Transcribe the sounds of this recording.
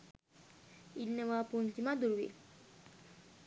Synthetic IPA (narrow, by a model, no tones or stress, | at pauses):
innːəʋapunt̪imad̪uɾʋḭ